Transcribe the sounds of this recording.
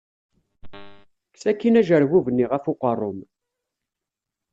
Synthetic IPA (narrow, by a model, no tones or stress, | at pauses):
ksækːinæʒəɾwuvənːiʁæfʊqərˤːʊm